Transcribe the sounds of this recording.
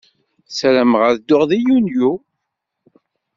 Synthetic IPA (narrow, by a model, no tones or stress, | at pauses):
sæɾəmʁəɾd̪ːʊʁðijunju